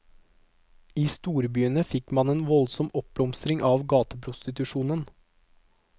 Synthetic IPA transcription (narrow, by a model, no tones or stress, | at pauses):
iːst̪uːɾbyːənəfɪkmɑneːnʋɔlsɔmɔp̚blɔmst̪ɾɪŋʔɑːʋɡɑːt̪əpʰɾʊst̪ɪt̪ʉʃuːnən